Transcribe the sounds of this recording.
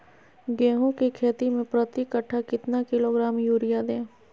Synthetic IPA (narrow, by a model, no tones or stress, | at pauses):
ɡɛ̃ːɦõkekʰeːt̪imẽpɾət̪ikəʈʰːakɪt̪nakɪloɡɾaːmjuːɾɪjad̪ẽː